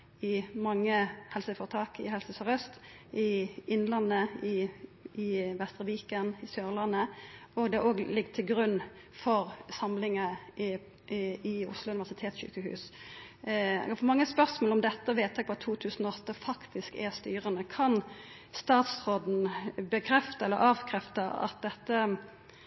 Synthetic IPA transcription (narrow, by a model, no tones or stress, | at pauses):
ɪmɑŋːəhɛlsəfɔːʁt̪ʰɑːkɪ̰ɦɛlsəsɑʁɛst̪ | ɪɪnːlɑnːəɪɪʋɛst̪ʁəʋiːkənɪsjøːʁlɑnːəɔɡd̪ɛoːɡlɪɡt̪ʰɪlɡɾʉnː | fɔʁsɑmlɪŋə | ɪʊ̰slʊʉnɪʋæsɪt̪ʰeːt̪sɕy̰ːkəhʉ̰ːs | fɔmɑŋːəspœʁsmoːlɔmd̪ɛt̪ːəʋeːt̪ɛɡ̚pʋɑt̪ʰuːt̪ʰʉːsən̩ɔɔt̪ːəfɑkt̪ɪskɛ̰st̪yːʁənəkʰɑn | st̪ɑːt̪sʁoːd̪n̩bəkʰɾɛft̪əɛlːəɾʔɑːʋkʰɾɛft̪əɑ̰t̪̚d̪ɛt̪ːə